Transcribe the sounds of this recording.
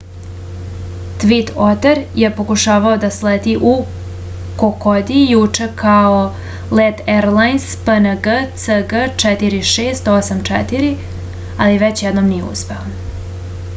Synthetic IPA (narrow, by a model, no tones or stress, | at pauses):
t̪ʋit̪ot̪eɾjepo̞kuʃaːʋaod̪asleːd̪iʔu | kokod̪ijut͡ʂe̞kʰao | let̪eɾlajnspənəɡət̪səɡət͡ʂɛt̪iɾiʃeːst̪osamt͡ʂɛt̪iɾi | aliʋet͡ɕjed̪nomnijeṵspe̞o